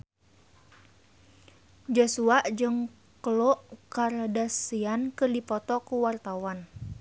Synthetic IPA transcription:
d͡ʒosuaʔd͡ʒɨŋ | kloʔkardasiankɨrdipɔt̪ɔkuwart̪awan

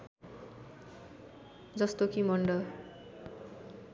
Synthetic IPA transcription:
d͡zʌst̪okimʌɳɖʌ

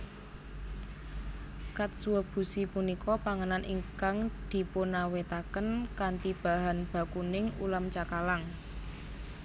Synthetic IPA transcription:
kat̪̚suwəb̥ṳsipunikɔpaŋənanʔḭŋkaŋd̪̥i̤ponawet̪akənkant̪ib̥a̤ɦanb̥a̤kunɪŋṵlamt͡ʃakalaŋ

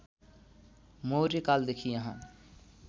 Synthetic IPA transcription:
moɾikaːld̪ekʰijãɦãː

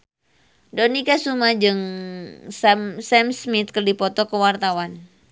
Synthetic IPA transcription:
dɔnikasumad͡ʒɨŋ | samsɛmsmit̪̚kərdipɔt̪ɔkəwart̪awan

